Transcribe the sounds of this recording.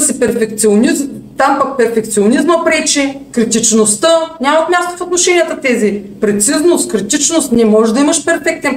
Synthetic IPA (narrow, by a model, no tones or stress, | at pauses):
sipɛɾfɛk̚t̪sionizmt̪ampak̚pɛɾfɛk̚t̪sionizməpɾɛt͡ʃɛkɾit̪it͡ʃnost̪ənʲamət̪mʲjast̪o̥fot̪noʃɛnʲijət̪ət̪ɛzipɾɛt̪siznost̪kɾit̪it͡ʃnost̪nɛmɔʒɛd̪ɐimɐʃpɛɾfɛk̚t̪ɛn